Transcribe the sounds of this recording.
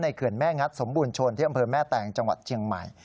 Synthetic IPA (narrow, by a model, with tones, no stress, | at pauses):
na˧jkʰɯ˨˩ənmɛː˥˩ŋa˦˥t̪̚so˩˦mbuː˧nt͡ɕʰo˧nt̪ʰiː˥˩ʔa˧mpʰɤː˧mɛː˥˩t̪ɛː˨˩ŋt͡ɕa˧ŋwa˨˩t̪̚t͡ɕʰi˧əŋma̰˨˩j